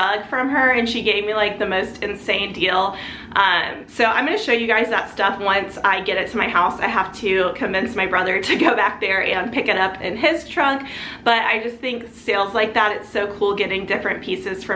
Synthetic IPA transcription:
ʌɡ̥fɹʌ̃mə˞ɨ̃nʃiɡeɪvmilaɪk̚ðɨmoʊstʰɨ̃nsẽɪ̃ndilˠ | ʔʌ̃msoʊãɪ̃mɡʌ̃nɨʃoʊjɨɡaɪzðətstʌfwʌ̃nsaɪɡɛɾɨtʰɨmaɪɦaʊsaɪɦæftʰɨkʰɨ̃ɱvɪ̃nsmaɪbɹʌðə˞ɾɨɡoʊbæk̚ðə˞ʔɨ̃npʰɪkɨɾʌpʰɪ̰̃nɪz̥tʰɹ̥ʌɡb̥ʌɾa̰ɪd͡ʒʌs̚θɪ̃ŋkseɪlˠzlaɪk̚ðæɾɨtsoʊkʰulˠɡɛɾɪ̃ŋdɪfɹɨ̃npʰisɨz̥fɹʌ̃

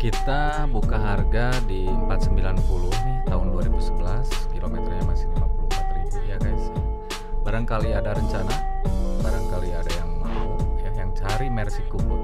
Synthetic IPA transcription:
kit̪a | bukaɦarɡa | di | əmpat̪̚səmbilanpulʊhnɪht̪aʊnduaɾibusəbəlas | kilomɛt̪ərjamasɪmapuluat̪ribujakaisɪ | baɾaŋkaliadaɾəɲt͡ʃanabaɾaŋkaliadajaŋmaʊjahjaŋt͡ʃaɾimɛrsikubʊ

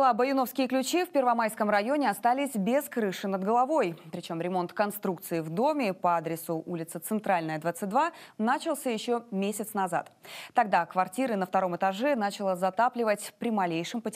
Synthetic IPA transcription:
lˠabəjʊno̞fskʲɪjəklʲʉt͡ɕifʲpʲɪrvɐmajskəmrɐjo̞nʲɪɐst̪alʲɪsʲbʲeskɾɨʂɨnəd̪̚ɡəlˠɐvo̞jpɾʲɪt͡ɕo̞mɾʲɪmo̞nt̪kɐnst̪ɾuk̚t̪sɨɪvd̪o̞mʲɪpɐad̪ɾʲɪsʊʔulʲɪt̪sət̪sɨnt̪ɾalʲnəjəd̪vat̪sɨt̚ʲd̪vanat͡ɕɪlˠsʲəjɪɕːo̞mʲesʲɪt̪snɐza̰t̪t̪ɐɡ̚d̪akvɐrtʲiɾɨnəft̪ɐɾo̞mɨt̪ɐʐɛnat͡ɕɪlˠəzɐt̪aplʲɪvətʲpɾʲɪmɐlʲejʂɨmpətʲ

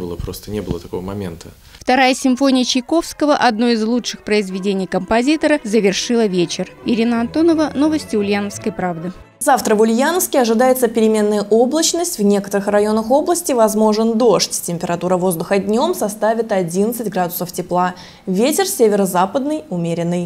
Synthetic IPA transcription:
bɨlˠəpɾo̞st̪ənʲebɨlˠə̰t̪ɐko̞vəmɐmʲḛnt̪ʰə | ft̪ɐɾajəsʲɪɱfo̞nʲɪjət͡ɕɪjko̞fskəvəʔɐd̪no̞ɪzlˠuʂɨxpɾəɪzvʲɪdʲenʲɪjkəmpɐzʲit̪əɾəzəvʲɪrʂɨlˠəvʲet͡ɕɪrɪɾʲinəɐnt̪o̞nəvəno̞vəsʲtʲɪʊlʲjanəfskəjpɾavd̪ɨ | zaft̪ɾəvʊlʲjanəfskʲɪɐʐɨd̪ajɪt̪səpʲɪɾʲɪmʲe̞nːəjəʔo̞blˠət͡ɕnəsʲtʲvnʲe̞kət̪əɾɨxrɐjo̞nəxo̞blˠəsʲtʲɪvɐzmo̞ʐɨnd̪o̞ʂtʲtʲɪmʲpʲɪɾɐt̪uɾəvo̞zd̪ʊxədʲnʲo̞msɐst̪avʲɪt̪ɐdʲinət̪sɨtʲɡɾad̪ʊsəftʲɪplˠa | vʲetʲɪrsʲevʲɪɾəzapəd̪̚nɨjʊmʲeɾʲɪnːɨj

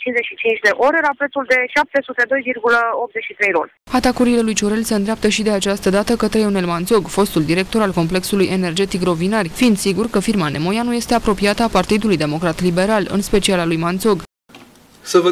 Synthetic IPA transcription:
t͡ʃinzeʃit͡ʃint͡ʃd̪e̞ʔo̞ɾe̞lapɾet̪suld̪e̞ʃap̚t̪e̞sut̪e̞d̪o̞jvirɡuləop̚t̪ze̞ʃit̪ɾe̞jɾo̰l | at̪akuɾile̞lujt͡ʃoɾe̞lseɨnd̪ɾeap̚t̪əʃid̪e̞at͡ʃast̪əd̪at̪əkət̪ɾe̞one̞lmant̪so̞ɡfo̞st̪uld̪iɾe̞k̚t̪o̞ɾalko̞mple̞ksulujʔe̞ne̞rd͡ʒe̞t̪ikro̞vinarʲfind̪siɡurkəfirmane̞mo̞januje̞st̪e̞apɾo̞piat̪əapart̪id̪ulujd̪e̞mo̞kɾat̪libe̞ɾalɨ̰nspe̞t͡ʃialalujmant̪so̞ɡ | səvə

